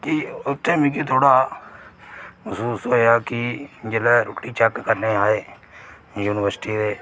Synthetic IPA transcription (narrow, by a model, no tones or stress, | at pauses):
kɪʊt̪ːẽːmĩːk̬it̪ʰoːɽaː | məsuːsoːɦeaːkɪd͡ʒeːlɛːɾoːʈːiːt͡ʃɛkkəɾneːaːeː | juːnɪʋəɾsɪ̥ʈiːd̪eː